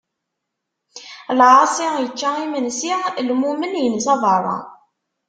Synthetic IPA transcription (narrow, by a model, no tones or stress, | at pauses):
lʕɑsijət͡ʃːæimənsilmumənjənsɑvərˤɑ̰